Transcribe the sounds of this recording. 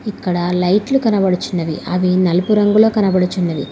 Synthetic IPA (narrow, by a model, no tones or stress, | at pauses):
ikːɐɽɐlɐjʈlukɐnɐbɐɽut͡ʃunːɐʋḭɐʋinɐlupuɾɐŋɡulo̞ːkɐnɐbɐɽut͡ʃunːɐʋḭ